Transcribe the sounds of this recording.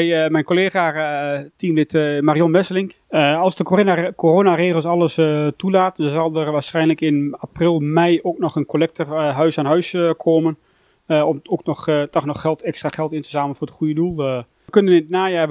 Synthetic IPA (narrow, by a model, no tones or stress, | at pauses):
ɛjmɛjnkoleːɣatimlɪtmariɔnʋɛsəlɪŋk | ɑlˠsdəkkoroːnareːɣəlˠsɑlˠəstulaːtɔnzɑlˠdərʋaːsχɛjnləkɪnaprɪlˠmɛjoknɔχənkolɛk̚təɦœɥsaːnɦœɥskʰoːmən | ɔmoknɔxtɔxnɔxːɛlˠtɛkstraχɛlˠtɪntə̥saːməl̩nfʊːrətχujədulˠ | kønənɪnnaːjaː